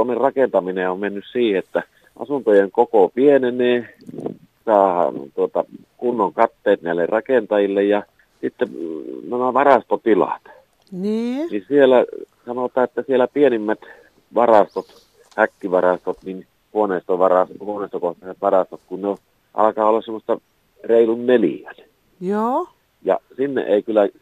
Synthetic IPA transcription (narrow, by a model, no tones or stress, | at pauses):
onːerrɑkent̪ɑmineommenːyssiːheet̪ːæ | ʔɑ̰sunt̪ojeŋkokopieneneː | sɑːhɑ̰nt̪uot̪ɑ | kunːoŋkɑt̪ːeːt̪næˑilːerrɑkent̪ɑjilːejjɑ | sit̪ːenæmæʋɑrɑst̪ot̪ilɑ̰t̪ | nininsielæsɑnot̪ɑːet̪ːæsielæpienimːæt̪ | ʋɑrɑst̪ot̪ | hækːiʋɑrɑst̪ot̪nin | huoneˑist̪oʋɑrɑshuoneˑːst̪okoht̪ɑset̪ʋɑrɑst̪ot̪kunne | ʔɑ̰lɑkɑːolːɑssemːˑost̪ɑ | reˑilunnelḭæn | joː | jɑ̰sinːḛʔeˑikylːˑæ